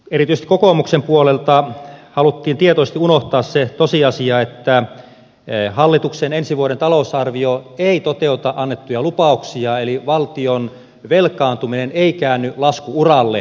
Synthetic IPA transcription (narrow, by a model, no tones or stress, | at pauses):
erit̪yst̪i̥kokoˑmuksempuolelt̪ɑhɑlut̪ːiːnt̪iet̪ost̪iunoht̪ɑːsset̪osiɑsiɑet̪ːæ | hɑlːit̪uksenensiʋuoɾent̪ɑlousɑrʋioeit̪ot̪eut̪ɑʔɑnːet̪ːujɑlupɑuksiɑeliʋɑlt̪ion | ʋelkɑːnt̪umineneikæːnːylɑskuurɑlːḛ